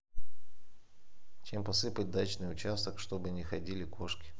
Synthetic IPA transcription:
t͡ɕempɐsɨpət̚ʲd̪at͡ɕnɨjʊt͡ɕast̪əkʂt̪o̞bɨnʲɪxɐdʲilʲɪkʰo̞ʂkʲɪ̥

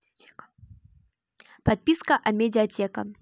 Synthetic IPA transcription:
pat̪̚pʲiskɐʔɐmʲɛdʲijatʲɛkɐ̰

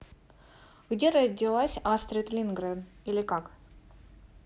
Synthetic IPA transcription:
ɡ̥dʲeɾɐzʲdʲɪlˠasʲast̪ɾʲɪt̪lʲinɡɾad̪ilʲɪkak

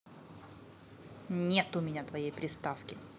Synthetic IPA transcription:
nʲet̪ʊmʲɪnʲat̪vɐjejpɾʲɪst̪afkʲɪ

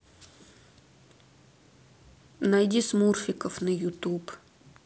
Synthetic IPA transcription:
najdʲismurfʲɪkəfnəjʊt̪up

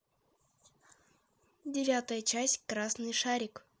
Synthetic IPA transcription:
dʲɪvʲat̪əjət͡ɕæsʲtʲkɾasnɨjʂaɾʲɪk

